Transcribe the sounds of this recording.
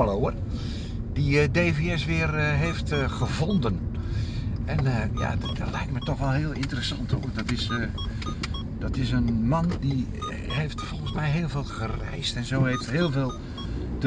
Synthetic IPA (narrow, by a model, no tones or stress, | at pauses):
loər | diədeːveɛsʋɪərɦejftɣəvondən | ʔɛnəja̰ːdtlɛjk̚tmətɔxʋɛlˠhɪəlˠɪntərəsɑnthoədɔtɪs | dɔtɪs̬ənmandi | heftfɔlˠxəsmɛjɦeːlˠveːlˠɣərɛ̰jstɛnzoːheːftɦɪːlˠveːlˠ | tə